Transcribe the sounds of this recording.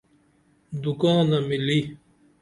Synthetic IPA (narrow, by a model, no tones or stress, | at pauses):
d̪ukãːnamili